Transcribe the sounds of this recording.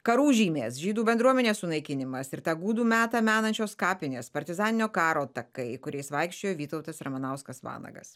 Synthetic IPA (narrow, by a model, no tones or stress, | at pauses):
kɐɾuːʒʲiːmʲeːsʒʲiːd̪uːbʲɛnd̪ɾuɔmʲɛnʲeːssʊnɐɪkʲɪnʲɪmɐsɪɾt̪ɑːɡuːd̪uːmʲæːt̪ɑmʲæːnɐnʲt͡ʃʲoːskɑːpʲɪnʲeːspɐɾʲt̪ʲɪzɑːnʲɪnʲoːkɑːɾoːt̪ɐkɐɪkʊɾʲɛɪsʋɐɪkʃʲt͡ʃʲoːjoːʋʲiːt̪ɐʊt̪ɐsɾɐmɐnɐʊskɐsʋɑ̰ːnɐ̰ɡɐ̰s